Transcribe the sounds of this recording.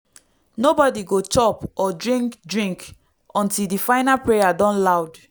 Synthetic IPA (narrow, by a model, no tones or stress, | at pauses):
nobɔdiɡot͡ʃɔpɔdɹĩŋkdɹĩŋk | ɔ̃ntildifãɪnapɹejadɔ̃nlaʊd